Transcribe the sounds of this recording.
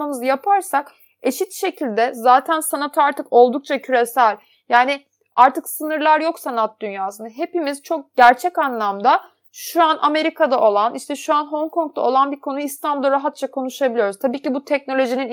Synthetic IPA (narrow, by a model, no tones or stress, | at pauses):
amɯzjapʰaɾsak | e̞ʃit̪ʃe̞cʰilʲd̪ɛzaːt̪ʰænsanat̪ʰɯaɾt̪ʰɯko̞lˠd̪uk̚t͡ʃʰacʰyɾesælʲ | jaːnɪ | aɾt̪ʰɯksɯnɯɾlˠaɾjo̞ksanat̪̚d̪ynjaːsɯnɯɦe̞pimiz̥t͡ʃʰo̞k̚ɟ̥æɾt͡ʃʰɛcanlˠamd̪a | ʃuana̰me̞ɾikʰad̪aʔo̞lˠanʔiʃt̪ʰɛʃuanɦo̞ŋkʰo̞ŋk̚t̪ʰa̰o̞lˠanbiɾkʰo̞nuist̪ʰanbulˠɾaɦat̪̚t͡ʃʰakʰo̞nuʃabilʲijo̞ɾuzt̪ʰabiːcibut̪ʰɛc̚no̞lʲo̞ʒinin